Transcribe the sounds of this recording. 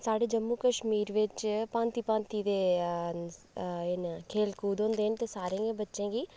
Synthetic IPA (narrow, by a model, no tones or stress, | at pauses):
saːɖeːd͡ʒəmːuːkəʃmiːɾʋɪt͡ʃpãːnt̪iːpãːnt̪iːd̪eː | ɪnkʰeːlkuːd̪ɦõːnd̪eːənt̪eːsaːɾẽːɡẽːbətːʃẽːɡiː